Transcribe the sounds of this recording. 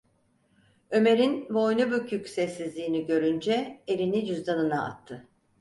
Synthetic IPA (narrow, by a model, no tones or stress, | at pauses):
ø̞me̞ɾinbo̞jnubycːycsɛsːizlʲiːniɟø̞ɾynd͡ʒɛelʲinid͡ʒyzd̪anɯnaa̰t̪ʰːɯ